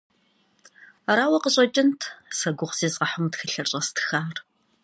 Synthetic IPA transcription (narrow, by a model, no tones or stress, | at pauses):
raːwɐqəɕʼɐt͡ʃʼɪntʰsɐɡʷʊʁz̥eːzʁɐħʊmtxɨɬɐrɕʼɐstʰɨ̥xaːr